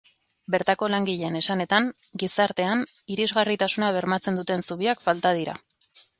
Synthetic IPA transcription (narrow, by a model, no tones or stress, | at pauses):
be̞ɾt̪ako̞laŋɡiʎe̞ne̞sane̞t̪aŋ | ɡisaɾt̪e̞an | iɾizɣarit̪asunaβ̞e̞ɾmat͡se̞nd̪ut̪e̞nsuβiakfalt̪að̞iɾa̰